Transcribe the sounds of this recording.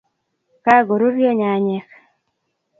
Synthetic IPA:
ka˦ɡo˨ɾu˦ɾjo˦ɲa˨ɲɛ˨k

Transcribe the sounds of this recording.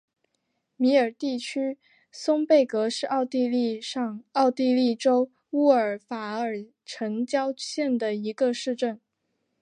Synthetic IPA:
mi˧˥ə˞˨˩t̪i˥˩t͡ɕʰy˥ | sʊ˥ŋpe˥˩ɪkɤ˧˥ʂɻ̩˥˧ɑ˥˧ʊt̪i˥˧li˥˧ɑ˥˧ɑ˥˧ʊt̪i˥˧li˥˩ʈ͡ʂo˥ʊ | u˥˩ə˞˨˩fa˧˥ə˞˨˩ | ʈ͡ʂʰə˧˥ŋt͡ɕjɑ˥ʊɕjɛ˥˩nd̪ə˩i˧˥ɡə˧ʂɻ̩˥˧ʈ͡ʂə˥˩n

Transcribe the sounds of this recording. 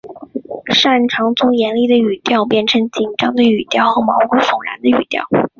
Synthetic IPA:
ʂa˥˩nʈ͡ʂʰɑ˧˥ŋt͡sʊ˥ŋjɛ˧˥nli˥˩d̪ə˩y˨˩t̪jɑ˥˧ʊp̬jɛ˥˩nʈ͡ʂʰɤ˧˥ŋt͡ɕi˨˩nʈ͡ʂɑ˥ŋd̪ə˨y˨˩t̪jɑ˥˩ʊxɤ˧˥mɑ˧˥ʊkwʊ˥fʊ˨˩ŋɻa̰˧˥nd̪ə˧y˨˩t̪jɑ̰˥˩ʊ

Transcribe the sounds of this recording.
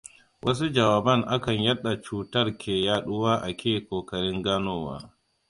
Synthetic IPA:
wʔɐ˦s̬u˦d͡ʒɐ˨waː˨bɐ˦ŋʔa˦kɐ˨ɲjɐ˦ɗːa˨t͡ʃuː˦tɐ˦rkʲeː˨jaː˦ɗʊ˦waː˦ʔa˨kʲeː˦kʷoː˨kɐ˨ɽɪ˦ŋɡaː˦noː˦wa̰ː˦

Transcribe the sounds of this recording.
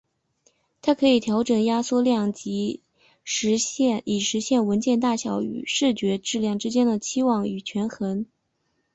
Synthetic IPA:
t̪ʰa˥kʰɤ˧˥i˨˩t̪ʰjɑ˧˥ʊʈ͡ʂɤ˨˩ŋja˥swɔ˥˧ljɑ˥˩ŋt͡ɕi˧˥ | ʂɻ̩˧˥ɕɛ˥˩ni˨˩ʂɻ̩˧˥ɕjɛ˥˩nwə˧˥nt͡ɕjɛ˥˧nt̪a˥˩ɕjɑ˧˥ʊy̰˨˩ʂɻ̩˥˩t͡ɕɥɛ˧˥ʈ͡ʂɻ̩˥˧ljɑ˥˩ŋʈ͡ʂɻ̩˥t͡ɕjɛ˥nd̪ə˨t͡ɕʰi˥wɑ˥˩ŋy˨˩t͡ɕʰɥɛ˧˥nxə˧˥n

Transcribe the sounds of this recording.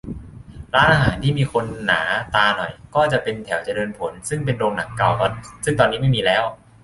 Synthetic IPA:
ɾaː˦˥nʔaː˧ɦaː˩˦nt̪ʰiː˥˩miː˧kʰo˧nːa̰ː˩˦t̪aː˧nɔ˨˩jkɔː˥˩t͡ɕa˨˩pe˧nt̪ʰɛ˩˦wt͡ɕa˨˩dɤː˧npʰo˩˦nsɯ˥˩ŋp̬e˧ndoː˧ŋna˩˦kːa˨˩wkɔ˥˩sɯ˥˩ŋt̪ɔː˧nːiː˦˥ma˥˩jmiː˧lɛː˦˥w

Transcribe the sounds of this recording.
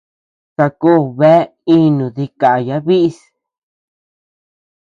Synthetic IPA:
sa˧kuː˦˨βe˦ | i˦nũ˨ði˧ka˨ja˧˦βi˦ʔs

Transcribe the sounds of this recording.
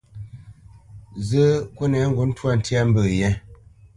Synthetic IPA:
zə˦kwo˦nɛ˨˦ŋ̩˦ɡu˨˦n̩˦twa˦˨n̩˨˦tja˦m̩˦bə˦˨jɛ˦

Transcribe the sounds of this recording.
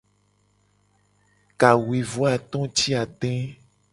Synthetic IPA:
ka˨wi˨vo˦a˨t̪ɔ̃˦t͡ʃi˦a˨t̪ɛ̃˦

